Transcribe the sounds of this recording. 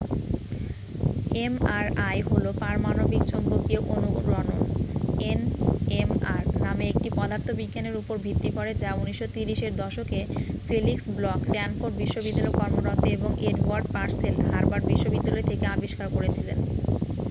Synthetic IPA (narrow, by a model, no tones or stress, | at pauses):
emaɾajɦolopaɾmanobikt͡ɕombokewʔonuɾɔnoenemaɾnameek̚ʈipɔd̪ʱaɾt̪ʰobiɡːaneɾupoɾbʱit̪ːikoɾed͡ʑauniʃːot̪iɾiʃeɾd̪ɔʃokefeliksblɔksɛnfoɾɖ̚biʃːobid̪ːalɔkɔɾmoɾat̪ːeeboŋeɖwaɾɖpaɾselɦaɾbaɾbiʃːobid̪ːalɔet̪ʰekeabiʃkaɾkoɾet͡ɕʰilḛn